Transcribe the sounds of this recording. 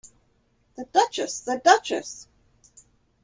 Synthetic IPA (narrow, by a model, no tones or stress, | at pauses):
ðədʌt͡ʃəsðədʌt͡ʃə̰s